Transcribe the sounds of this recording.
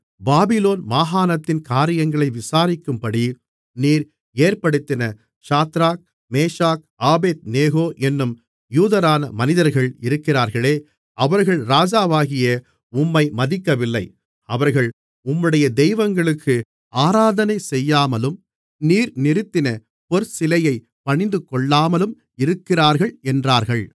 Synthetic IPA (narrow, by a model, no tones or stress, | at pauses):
baːbɪloːnmaːɦaːnɐt̪ːɪnkaːɾɪjɐŋɡɐɭɐɪʋɪsaːɾɪkːɯmpɐɽi | niːɾ | eːɾpɐɽɯt̪ːɪnɐ | ʂaːt̪ɾaːk̚ | meːʂaːk̚aːbeːt̪̚neːɣoːʔɛnːɯm | juːðɐɾaːnɐmɐnɪðɐɾɣɐɭɪɾɯkːɪraːɾɣɐɭeː | ʔɐʋɐɾɣɐɭɾaːd͡ʒaːʋaːɣɪjɐ | ʊmːɐɪmɐðɪkːɐʋɪlːɐɪ | ɐʋɐɾɣɐɭ | ʊmːɯɽɐjɐd̪ɛɪʋɐŋɡɐɭɯkːɯ | aːɾaːðɐnɐɪsɛjːaːmɐlɯm | niːɾnɪɾɯt̪ːɪnɐ | pɔɾsɪlɐjɐɪ | pɐɳɪnd̪ɯkɔɭːaːmɐlɯm | ɪɾɯkːɪraːɾɣɐɭɛndraːɾɣɐɭ